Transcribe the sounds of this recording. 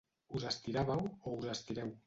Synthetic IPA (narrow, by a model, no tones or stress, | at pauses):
uzast̪iɾaβawouzast̪iɾɛw